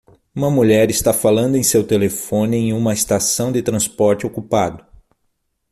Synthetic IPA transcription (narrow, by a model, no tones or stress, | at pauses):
ũmɐmuʎɛɾɪst̪afalɐ̃nd̪ʊẽj̃sewt̪elefõnɪẽj̃ũmɐest̪asɐ̃w̃d̪ɪt̪ɾɐ̃spɔɾt͡ʃɪokupad̪ʊ